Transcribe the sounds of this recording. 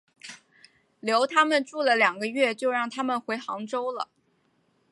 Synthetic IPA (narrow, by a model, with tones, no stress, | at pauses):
ljo˧˥ʊt̪ʰa˥mə˨nʈ͡ʂu˥˩lə˩ljɑ˨˩ŋɡə˦ɥɛ˥˧t͡ɕjo˥˧ʊɻɑ˥˩ŋt̪ʰa˥mə˨nxwe˧˥ɪxɑ˧˥ŋʈ͡ʂo˥ʊlə̰˨